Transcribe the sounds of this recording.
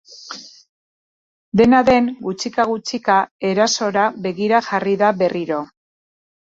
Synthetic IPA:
d̪e̞naðe̞nɡut͡sikaɣut͡sikae̞ɾaso̞ɾaβe̞ɣiɾaʝariðaβe̞riɾo̞

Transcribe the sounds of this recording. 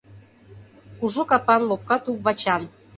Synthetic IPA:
kuʒokɑpɑnlop̚kɑt̪upvɑt͡ɕɑn

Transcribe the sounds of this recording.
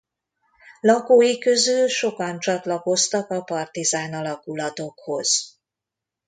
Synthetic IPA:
lɒkoːjikø̞zylʃo̞kɒnt͡ʃɒt̪lɒko̞st̪ɒkɒpɒrt̪izaːnɒlɒkulɒt̪o̞kho̞z̥

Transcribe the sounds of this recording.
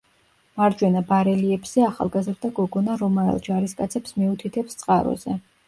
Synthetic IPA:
maɾd͡ʒwɛnabaɾɛliɛbz̥ɛaχa̰lˠɡazɾd̪aɡɔɡɔnaɾɔmaɾɛ̰lˠd͡ʒaɾiskʼat̪sʰɛpsmɛut̪ʰit̪ʰɛpst̪sʼqʼaɾɔ̰zɛ

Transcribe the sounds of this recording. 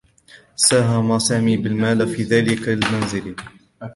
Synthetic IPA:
saːɦamasaːmiːbɪlmaːlfiːðaːlɪkalɪlmanzɪl

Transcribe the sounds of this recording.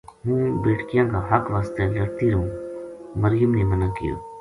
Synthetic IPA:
ɦũːbeːʈkijãːkaɦɐkʋaːst̪elɐɽt̪iɾõː | məɾjəmnemɐnakḭjo̰ː

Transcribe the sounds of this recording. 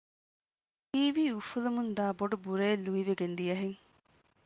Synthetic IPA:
iːʋiːufulumund̪aːboɖubuɾeːlːuiʋeɡend̪ijɐɦeŋ

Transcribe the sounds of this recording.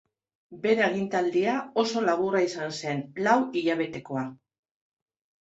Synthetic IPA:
be̞ɾeeɣ̞int̪ald̪iao̞so̞laβuraisanse̞nlawiʎaβ̞e̞t̪e̞ko̞a

